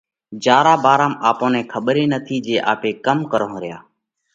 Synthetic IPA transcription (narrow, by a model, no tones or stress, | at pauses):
d͡ʒaːɾaːbaːɾaːmaːpõːnẽːkʰəɓɾeːnət̪ʰiːd͡ʒeːʔa̰ːpeːkəmkəɾõɾɪja̰ː